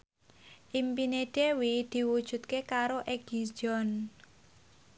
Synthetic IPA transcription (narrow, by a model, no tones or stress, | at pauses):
ʔimpineɖ̥ewid̪̥i̤wud̥ʒ̥ṳt̪̚kekaɾoʔeɡid͡ʒɔn